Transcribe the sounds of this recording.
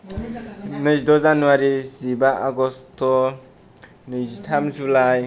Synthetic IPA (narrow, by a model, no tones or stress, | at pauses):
nɯzdɔzanuwaɾizibaʔaɡɔstʰɔ | nɯzitʰamzulaj